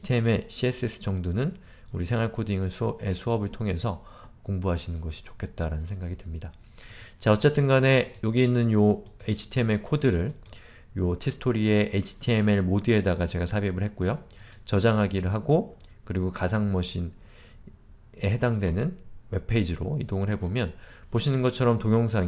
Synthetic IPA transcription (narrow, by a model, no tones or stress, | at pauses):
tʰieme̞ɕʰies͈ɯes͈ʰɯ̥t͡ɕʌŋdonɯn | uɾisʰe̞ŋwaɭkʰodiŋɯɭsʰe̞sʰuɦʌbɯɭtʰoŋe̞sʰʌ | koŋbuɦaɕʰinɯnɡʌɕʰi̥t͡ɕo̥kʰet̚t͈aɾanɯnsʰeŋɡaɡitɯmɲida | t͡ɕaʌt͡ɕ͈e̞tʰɯnɡane̞joɡiinːɯnjo | et͡ɕʰi̥tʰieme̞kʰodɯɾɯɭ | jotʰisʰɯ̥tʰoɾie̞ʔet͡ɕʰi̥tʰie̞meɭmodɯe̞daɡat͡ɕe̞ɡasʰabibɯɭhe̞t̚k͈ujo | t͡ɕʌd͡ʑaŋɦaɡiɾɯɭɦaɡo | kɯɾiɡokasʰaŋmʌɕʰin | e̞ɦe̞daŋdwe̞nɯnwe̞pʰe̞id͡ʑiɾo̰idoŋɯɭɦe̞bomjʌnpoɕʰinɯnɡʌt͡ɕʰʌɾʌmtoŋjʌŋsʰaŋ